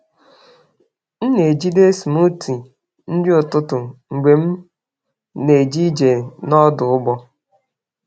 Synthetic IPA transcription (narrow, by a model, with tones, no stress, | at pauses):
n̩˦ne˨d͡ʒi˦de˦smu˦ti˨ | n̩˦d͡ʒɪ˦ʊ˨tʊ˦tʊ˨ŋ͡m̩˨ɡ͡be˨m̩˦ | ne˨d͡ʒi˦d͡ʒe˨nɔ˦dʊ˨ʊ˦bɔ˦